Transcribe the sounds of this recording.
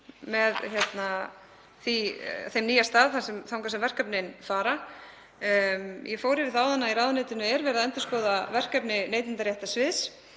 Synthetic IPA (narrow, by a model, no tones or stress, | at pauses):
mɛðçjɛt̪na | θiθejmniːjast̪aːðθasɛmθawŋkasɛmvɛr̥kœpnɪnfaːɾa | jɛfoːwɾɪvɪθaːwðanːaiɾaːwðʏnejt̪ɪnʏɛɾvɛːɾðaðɛnt̪ʏ̥skoːwðavɛr̥kœpnɪneːjt̪ɪnt̪aɾjaht̪asvɪðs